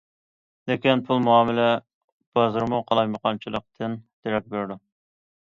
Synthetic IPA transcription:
lɪkʲinpʰulˠmuɑːmɪlɛ | b̥ɑzɨɾmuqʰɑlˠɑjməqɑnt͡ʃʰilˠəq̚t̪ʰɨnd̪̥eɾɛk̚ʲbeɾd̪u

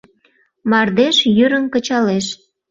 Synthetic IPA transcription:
mɑrd̪eʃjyɾənkə̆t͡ɕɑleʃ

